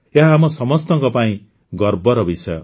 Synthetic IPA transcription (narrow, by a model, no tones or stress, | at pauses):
jaɦːmʌsʌmʌst̪ʌŋkʌpaĩ | ɡʌrbʌɾʌbisʌjo̰